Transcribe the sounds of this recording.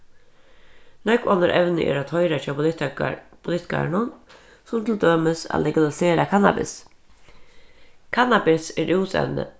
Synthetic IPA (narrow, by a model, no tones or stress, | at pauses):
nɛkɔnəɾʔɛwnɪ̰ʔɛ̰ɾat̪ʰɔjɾat͡ʃʰaːp | pʰʊlɪht̪ɪ̥ka̰ɾɳʊn | sʊmt̪ʰɪld̪øːmɪsa̰lɛɡalɪseːɾakʰana̰bɪ̰s | kʰanabɪsɛɾʔɪwsɛ̰nːə̰